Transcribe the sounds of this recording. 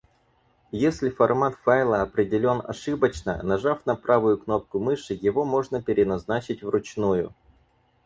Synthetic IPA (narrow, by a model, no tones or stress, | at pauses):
jesʲlʲɪfɐrmat̪fajlˠəɐpɾʲɪdʲɪlʲo̞nɐ̰ʂɨbət͡ɕnə̰nɐʐafn̪ɐpɾavʊjʊkno̞p̚kʊmɨʂɨjɪvo̞mo̞ʐnəpʲɪɾʲɪnɐznat͡ɕɪtʲvrʊt͡ɕnujʊ̰